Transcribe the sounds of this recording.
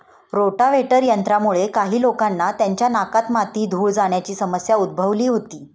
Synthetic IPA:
ɾoʈaʋeʈəɾjənt̪ɾamuɭekaɦiːlokanːat̪jaɲt͡ɕjanakat̪mat̪iːd̪ʱuːɭd͡zaɽ̃jat͡ɕiːsəməsjaud̪̚bʱəʋliːɦot̪iː

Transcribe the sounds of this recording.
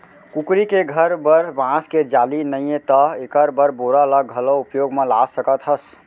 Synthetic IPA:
kukɾikeɡʱəɾbəɾbãsked͡ʒalinəjẽt̪əekəɾbəɾboɾaələɡʱəloupjoɡmelasəkət̪ɦəs

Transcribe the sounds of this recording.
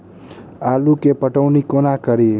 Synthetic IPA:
alukepəʈəwnikonakəɾi

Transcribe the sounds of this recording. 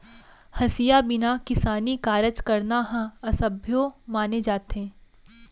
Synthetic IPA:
hɐsijabɪnakɪsaːnikaːɾət͡ʃkɐɾnaɦãɐsəbʱjomaːned͡ʒaːt̪ẽː

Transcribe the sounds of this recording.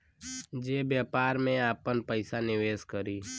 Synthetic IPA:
d͡ʒeːbjaːpaːɾmẽaːpənpəɪsanɪʋeːskəɾiː

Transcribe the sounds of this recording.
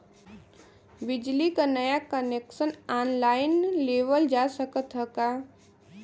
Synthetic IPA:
bɪd͡ʒlikanəjakəneːksənaːnlaːɪnleːʋəld͡ʒaːsəkət̪ɦəkaː

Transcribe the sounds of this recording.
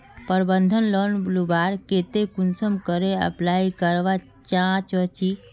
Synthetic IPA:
pəɾbənd̪ʱənlɔnblubaɾket̪ekunsəmkəɾeə̰plaikəɾʋa | t͡ʃãt͡ʃət͡ʃi

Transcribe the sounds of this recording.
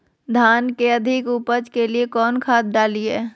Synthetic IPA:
d̪ʱaːnkeəd̪ʱɪkuːpəd͡ʒkeliekɔːnkʰaːd̪̚ɖaːliɛː

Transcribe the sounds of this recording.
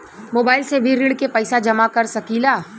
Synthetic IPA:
moːbaːɪlsebʱiɾɪɽkepɛɪsad͡ʒɐmakɐɾsɐkiːlaː

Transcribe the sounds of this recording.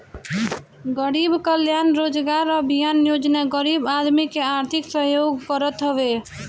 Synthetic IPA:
ɡəɾibkəljanɾod͡ʒɡaɾəbʱijanjod͡ʒnaɡəɾibad̪mikeaɾt̪ʰiksəɦjoɡkəɾət̪ɦəbe

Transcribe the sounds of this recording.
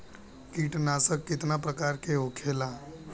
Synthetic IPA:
kiːʈnaːsəkːɪt̪napɾəkaːɾkeɦokʰeːla

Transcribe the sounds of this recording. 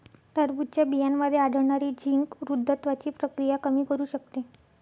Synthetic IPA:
t̪əɾbut̪̚t͡ɕjabijanməd̪ʱːjeaɽʱəɾɳaɾiːd͡ʑʱiŋkɾud̪ʱːət̪ʋat͡ɕiːpɾəkɾijakəmiːkəɾuːɕək̚t̪e

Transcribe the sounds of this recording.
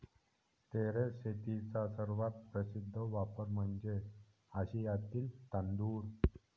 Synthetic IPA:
t̪eɾeɕet̪it͡sasəɾʋat̪̚pɾəsid̪ʱːəʋapəɾm̤əɳd͡ze | əɕijat̪iːlt̪and̪uːɾ

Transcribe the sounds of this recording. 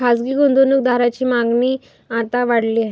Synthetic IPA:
kasɡiːɡond̪onuk̚d̪ʱaɾat͡ɕiːmaɡniː | at̪aʋaɽliːaɦe

